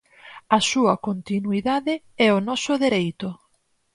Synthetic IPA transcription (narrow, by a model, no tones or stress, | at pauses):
ɐsuɐkont̪inuiðaðɪ | ɛonɔsʊðeɾejt̪ʊ